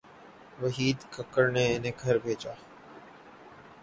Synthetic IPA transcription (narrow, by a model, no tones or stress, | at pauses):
ʋəɦiːd̪kəkəɾneɪnẽɡʱɐɾbʱeːt͡ʃaː